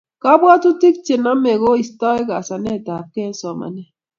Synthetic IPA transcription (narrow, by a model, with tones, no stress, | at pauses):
ka˦bwa˦tu˦ti˦k̚t͡ʃe˨na˦me˨ɣo˦i˨stɔ˦ɛ˦ka˨sa˨nɛ˦˨ta˨p̚kɛ˦n˦sɔ˨ma̰˨nɛ˦